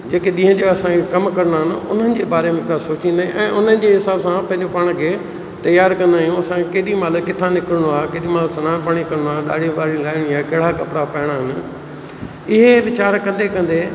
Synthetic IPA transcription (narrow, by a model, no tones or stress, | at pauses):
d͡ʑeːkeɗĩːɦə̃d͡ʑoɐsãkekɐmkɐɾnaːɦɪnɪ̆ʊn̤ənɪ̆d͡ʑeːbaːɾemẽkasoːt͡ɕĩnd̪aːɦḭ̃ʔɛ̃ːʔʊnənɪ̆d͡ʑeɦɪsaːbsãpɐ̃ɦɪ̃ɲd͡ʑopaːɽ̃kʰeː | t̪ɐjaːɾkɐ̃nd̪aːɦijũɐsãkkeːɗimaːləkːɪt̪ʰanɪkəɾɽ̃oaːɦekeːɗimaːlsɐnãːnpaɽ̃ikɐɾñoaːɗa̰ːɽʱiʋaːɽilaːɪɽ̃iaːkɐɦɽakɐpɽapɐɦɪɽ̃aɦɪnɪ̆ | ɪɦeʋɪt͡ɕaːɾkɐ̃nd̪ekɐ̃nd̪eː